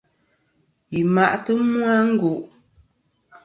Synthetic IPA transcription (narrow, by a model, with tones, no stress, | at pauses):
ji˨ma˨ʔtɨ˦mwu˦a˦ŋ̩˦ɡu˨ʔ